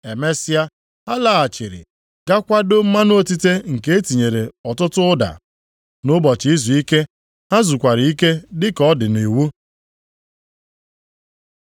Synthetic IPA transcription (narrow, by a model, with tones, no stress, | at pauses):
e˨me˦si˦a˦ | ha˦la˨a˨t͡ʃɪ˨ɾɪ̰˨ | ɡ̥a˦kʷa˦do˦m̩˦ma˦n˦o˦ti˦te˦ŋ̩˨ke˦e˦ti˨ɲe˨ɾe˨ɔ˨tʊ˦tʊ˦da̰˨ | nʊ˦bɔ˨t͡ʃi˨i˦zu˨i˦ke˦ | ha˦zu˨kʷa˨ɾɪ˨i˦ke˦dɪ˦kɔ˦dɪ˨ni˨wu˦